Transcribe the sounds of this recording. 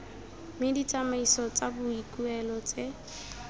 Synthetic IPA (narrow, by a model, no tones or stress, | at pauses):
mɪdit͡sʼamaisɔt͡sʼabʊikʼuɛlɔt͡sʼe